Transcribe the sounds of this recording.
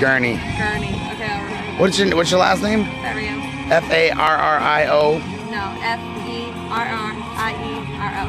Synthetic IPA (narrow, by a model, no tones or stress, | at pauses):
ɡ̥ɜ˞niɡ̥ɜ˞nioke | wʌsəwʌsə˞læ̰stnẽɪ̃m | ɛ̃m | ɛfeɪʔɑɹɑɹʔaɪʔoʊ | noʊʔɛf | i | ʔɑɹɑɹ | ʔaɪi | ɑɹo